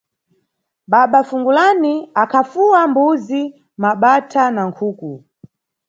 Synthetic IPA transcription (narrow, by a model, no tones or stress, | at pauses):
ɓaɓafuŋɡulaniakʰafuwambuzi | maɓatʰanaŋkʰuːku